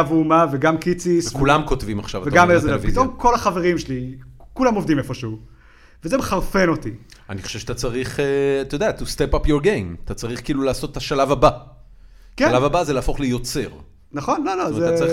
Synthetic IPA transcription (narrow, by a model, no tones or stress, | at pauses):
avuːmaveɡamkit͡sisevkulamko̞tvimaχʃavaveɡamelzvpit̪o̞mkʰo̞laχaveʁimʃelikulamovd̪imefo̞ʃeu | vezemeχaʁfe̞no̞t̪i | aniχo̥ʃevʃat̪at͡saʁiχeat̪od̪eat̪ust̪epapjoʁɡejmat̪at͡saʁiχkiiːlulaːsot̪etaʃalavaba | kealavabazeleaːfo̞χlijot͡se̞ʁ | naχo̞nlolozeaʁi